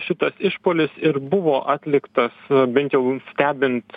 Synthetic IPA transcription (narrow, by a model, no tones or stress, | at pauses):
ʃʲɪt̪ɐsɪʃpoːlʲɪsɪɾbʊʋoːʔɑːt̪ʲlʲɪkt̪ɐsbʲɛnt̪jɛʊsʲt̪ʲæːbʲɪnt̪